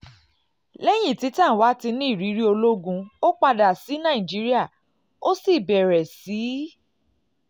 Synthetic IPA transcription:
lɛ˦j̃ĩ˦˨ti˨˦tã˦˨wa˨˦ti˧nĩ˦˨ɾi˨˦ɾi˦o˧lo˦ɡũ˧o˦k͡pa˧da˨si˨˦nã˦˨ĩ˨d͡ʒi˦ɾi˦a˦˨ | o˦si˦˨bɛ˨ɾɛ˨si˨˦

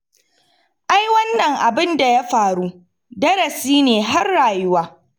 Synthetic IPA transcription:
ʔa˦jwɐ˦nːɐ˨ŋʔa˨bɪ˦nda˨ja˦ɸaː˨ɾu˦ | dɐ˦ɾɐ˨siː˦neː˨ɦa˦rːaː˨jʊ˦waː˦

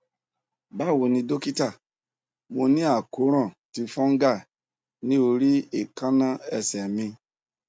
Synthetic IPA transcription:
ba˦˨wo˨nĩ˧do˦ki˦ta˦˨ | mo˨nĩ˦a˨ko˦ɾɔ̃˦˨ti˨fɔ̃˦ŋ˦ɡa˦˨ | nĩ˦o˨ɾi˦e˨ka˦na˦ɛ˦sɛ˨mĩ˦

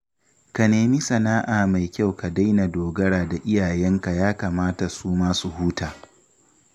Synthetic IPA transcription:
ka˨neː˨mi˦sɐ˨naː˦ʔaː˨ma˨jkʲa˦˨wka˨da˦jna˨doː˨ɡɐ˦ɽaː˨da˨ʔɪ˦jaː˨jɛ˦ŋka˨jaː˦kaː˨maː˦ta˨suː˦maː˦su˨huː˦taː˨

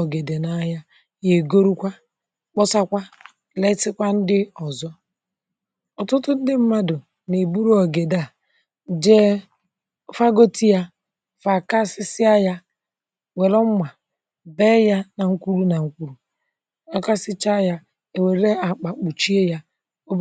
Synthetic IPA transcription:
ɔ˨ɡe˨de˨na˨˦ja˦ | je˨ɡo˦ɾu˦kʷa˦ | k͡pɔ˦sa˦kʷa˦ | le˦sɪ˦kʷa˦n̩˦dɪ˦ɔ˨zɔ˦ | ɔ˨tʊ˦tʊ˦n̩˦dɪ˦m̩˦ma˦dʊ˨ | ne˨bu˦ɾu˦ɔ˨ɡe˨da˨ | d͡ʒe˦ | fa˦ɡo˦ti˦ja˦ | fa˨ka˦sɪ˦sɪ˦a˦ja˦ | wʷe˨lɔ˦m̩˦ma˨ | beː˦ja˦na˨ŋ̩˦kʷu˦ɾu˦na˨ŋ̩˦kʷu˦ɾu˨ | ɔ˨ka˦sɪ˦t͡ʃa˦ja˦ | e˨we˨ɾe˦a˨k͡pa˨k͡pu˨t͡ʃi˦e˦ja˦ | o˦

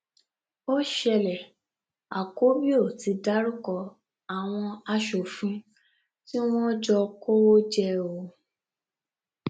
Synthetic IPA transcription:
o˦ʃɛ˧lɛ˨ | a˨ko˨˦bi˦o˦˨ti˨˧da˨˦ɾu˦kɔ˧ | a˨w̃ɔ̃˧a˧ʃo˨fĩ˨˦ | ti˦w̃ɔ̃˦d͡ʒɔ˧ko˦wo˦d͡ʒɛ˦o˧˦

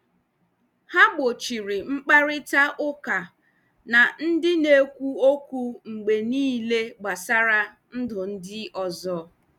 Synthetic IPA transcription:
ha˦ɡ͡bo˨t͡ʃi˨ɾɪ˨ŋ͡m̩˦k͡pa˦ɾɪ˦ta˦ʔʊ˦ka˨ | na˨n̩˦dɪ˦ne˦kʷu˦o˦kʷu˦ŋ͡m̩˨ɡ͡be˨niː˦le˦ɡ͡ba˨sa˦ɾa˦ | n̩˦dʊ˨n̩˦dɪ˦ɔ˨zɔ˦

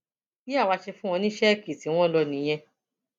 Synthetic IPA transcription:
i˦a˦˨wa˧ʃe˧fũ˦w̃ɔ̃˧nĩ˦ʃɛ˦˨ki˨ti˨˦w̃ɔ̃˦lɔ˧nĩ˨˦j̃ɛ̃˧

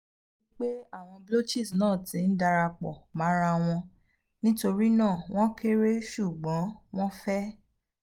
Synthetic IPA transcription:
i˦k͡pe˦a˦˨w̃ɔ̃˧blo˦t͡ʃi˦˨snãː˦˨tĩ˨˦n̩˦da˧ɾa˧k͡pɔ˨mã˨˦ɾa˧w̃ɔ̃˧ | nĩ˦to˧ɾi˦nãː˦˨w̃ɔ̃˦ke˦ɾe˦ʃu˦˨ɡ͡bɔ̃˨˦w̃ɔ̃˦fɛ˦

